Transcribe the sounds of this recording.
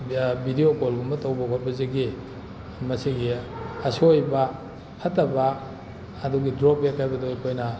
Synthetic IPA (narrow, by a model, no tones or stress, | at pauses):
bʱidiokolbɐmɐtɐwbɐkʰot̚bɐzeɡi | mɐsiɡiɐsojbɐ | hɐtːɐbɐː | duɡidɾopjekajbɐdoikʰojnɐ